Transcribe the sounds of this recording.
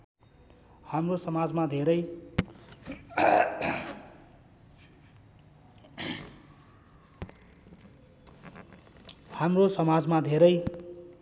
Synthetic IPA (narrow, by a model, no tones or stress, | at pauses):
hamrosʌmad͡zmad̪ʱeɾʌj | hamrosʌmad͡zmad̪ʱeɾʌj